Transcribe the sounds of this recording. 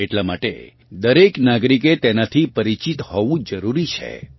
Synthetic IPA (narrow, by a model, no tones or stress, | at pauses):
eʈlama̰ʈḛ | d̪əɾeknaɡɾiket̪enat̪ʰipəɾit͡ʃit̪hɔʋũd͡ʒəɾuɾit͡ʃʰḛ